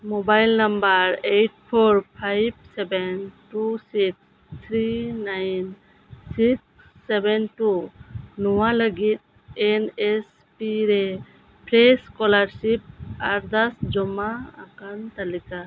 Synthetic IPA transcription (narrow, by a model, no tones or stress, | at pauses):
mɔbajlnambaɾejʈ̚pʰoɾpʰajb̚sɛbɛnʈusiks | t̪ʰɾinajn | siksː | ɛbɛnʈunɔwaləɡit̪̚ | ɛnɛs | piɾɛ | pʰleskɔlaɾsip̚aɾd̪asd͡ʒɔma̰ːkant̪alika